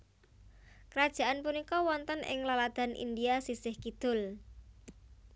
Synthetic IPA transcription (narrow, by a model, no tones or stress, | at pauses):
kəɾad̥ʒ̥a̤ʔanpunikɔwɔnt̪ənʔɪ̰ŋlalad̪̥a̤nʔḭnd̪iasisɪhkid̪̥ʊ̤l